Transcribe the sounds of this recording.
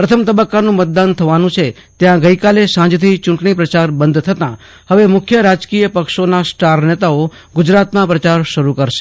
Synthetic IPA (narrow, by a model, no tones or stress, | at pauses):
pɾət̪ʰəmt̪əbəkːanũmət̪̚d̪ant̪ʰəʋanũt͡ʃʰe | t̪jãɡəikalesãd͡ʒt̪ʰit͡ʃʊ̃ɳʈɳipɾət͡ʃaɾbənd̪ʱt̪ʰət̪ã | həʋemʊkʰjəɾad͡ʒkijəpəkʃonasʈaɾnet̪ao | ɡʊd͡ʒɾat̪mãpɾət͡ʃaɾʃəɾukəɾʃe̥